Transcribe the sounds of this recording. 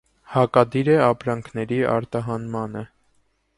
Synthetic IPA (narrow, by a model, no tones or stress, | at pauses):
hɑkɑd̪iɾɛɑpɾɑŋkʰnɛɾiʔɑ̰ɾt̪ɑɦɑnmɑnə